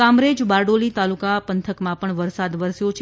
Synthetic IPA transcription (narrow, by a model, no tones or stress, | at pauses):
ãmɾed͡ʒbaɾɖolit̪alukapənt̪ʰəkmãpəɳʋəɾsad̪ʋəɾsjot͡ʃʰ